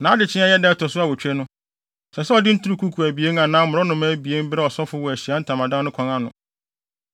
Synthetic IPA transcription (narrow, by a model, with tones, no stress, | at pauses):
nãː˨˦dɪ˨t͡ɕʰɪ̃˦a˦jɛ˦dɛ˦tʰɔ˨sʊ˦a˨wɔ˨t͡ɕᶣɛ˦nʊ̃˦ | sɛ˨sɛ˦ɔ˨dɪ˦n̩˦tʰu˦u˦kʰu˦kʰu˨æ˨bi˨e˦n˦ã˨nãː˦mʊ̃˨ɾɔ˦nʊ̃˨mæ˦bi˨e˦m˦bɪ˦ɾɛ˦ɔ˨sɔ˦fʊ˦wɔ˨æ˨ɕi˨a˦n̩˦tʰã˨mã˨dã˦nʊ̃˦kʰɔ̃˨ŋã˨nʊ̃˨